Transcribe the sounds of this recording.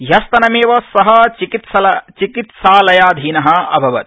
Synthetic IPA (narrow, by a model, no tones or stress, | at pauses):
jɐst̪ɐnɐmeːʋɐsɐɦɐt͡ʃikit̪sɐlɐt͡ʃikit̪saːlɐjaːd̪ʱiːnɐɦɐ̆ɐ̰bʱɐʋɐt̪